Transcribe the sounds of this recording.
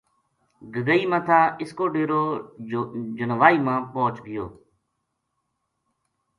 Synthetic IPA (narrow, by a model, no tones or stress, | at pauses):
ɡəɡəiːmãːt̪ʰaːɪskoːɖeːɾoː | d͡ʒənʋaːiːmãːpoːt͡ʃɠɪjo̰ː